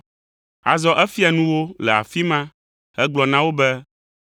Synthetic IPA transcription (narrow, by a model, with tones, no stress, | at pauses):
a̰˨zɔ˦ʔɛ˦fi˦a˨nũ˦wo˦lɛ˨a̰˨fi˦mã˦ | hɛ˦ɡ͡blɔ˨nã˦wo˦bɛ˦